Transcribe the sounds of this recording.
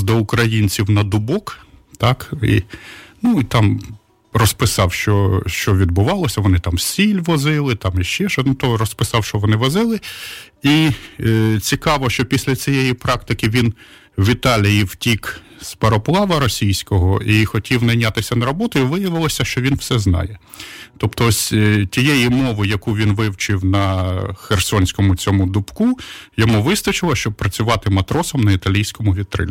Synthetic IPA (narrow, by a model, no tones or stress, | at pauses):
d̪ɔʊkɾɐjinʲt͡sʲiwnɐd̪ʊbɔkt̪ɑkḭnuit̪ɑm | rɔspɪsɑwʃt͡ʃɔʃt͡ʃɔʋʲid̪̚bʊʋɑlˠɔsʲɐʋɔnɪt̪ɑmsʲilʲʋɔzɪlˠɪt̪ɑmiʃt͡ʃɛʃɔnʊt̪ɔɾɔspɪsɑwʃt͡ʃɔʋɔnɪʋɔzɪlˠɪ | i | t͡sʲikɑʋɔʃt͡ʃɔpʲisʲlʲɐt͡sʲijɛjipɾɑkt̪ɪkɪʋʲin | ʋʲit̪ɑlʲijiwtʲik | spɐɾɔplˠɑʋɐɾɔsʲijsʲkɔɦɔixɔtʲiwnɐjnʲat̪ɪsʲɐnɐɾɔbɔt̪ʊjiʋɪjɐʋɪlˠɔsʲɐʃt͡ʃɔʋʲinwsɛznɑ̰jɛ | t̪ɔpt̪ɔsʲtʲijɛjimɔʋɪjɐkuʋʲinʋɪwt͡ʃɪwnɐxersɔnʲsʲkɔmʊt͡sʲɔmʊd̪ʊpkujɔmuʋɪst̪ɐt͡ʃɪlˠɐʃt͡ʃɔb̚pɾɐt͡sʲʊʋɑt̪ɪmɐt̪ɾɔsɔmnɐit̪ɐlʲijsʲkɔmʊʋʲid̪t̪ːɾɪ̰lʲ